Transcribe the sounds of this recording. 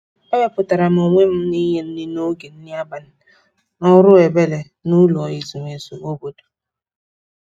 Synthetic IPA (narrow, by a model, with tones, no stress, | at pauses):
ɔ˦ja˦pʊ˨ta˨ɾa˨m̩˨o˨ŋʷe˦m̩˦ni˦ɦe˦n̩˦nɪ˦no˦ɡe˨n̩˦nɪ˦a˦ba˨n̩˦ | ɔ˦ɾʊ˦e˨be˦le˨ | nu˦lu˨ɔ˨i˨zu˨ŋ˨e˨zo˨o˦bo˦do̥˨